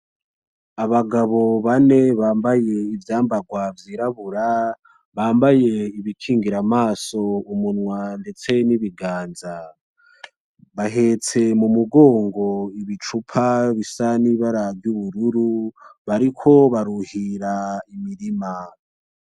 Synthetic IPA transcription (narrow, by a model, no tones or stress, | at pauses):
aβaɡaβo̞βane̞βaːmbaje̞ivjaːmbaɡwavjiːɾaβuɾa | βaːmbaje̞iβikʰiːŋɡiɾamaːso̞umunwande̞t͡se̞niβiɡaːnza | βaɦe̞t͡se̞mumuɡo̞ːŋɡo̞iβit͡ʃupʰaβisaniβaɾavjuβuɾuɾuβaɾikʰo̞βaɾuhiɾaimiɾima